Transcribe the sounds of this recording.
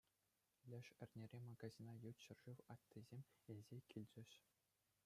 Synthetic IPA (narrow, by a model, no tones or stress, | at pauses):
lʲɘ̆ʂɘ̆rʲnʲeɾʲemɑɡɑzʲinɑjut̪ɕɤ̆rʐɯʋɑt̪ʲt̪ːizʲemʲelʲzʲekʲʰilʲd͡ʑɘ̆ɕ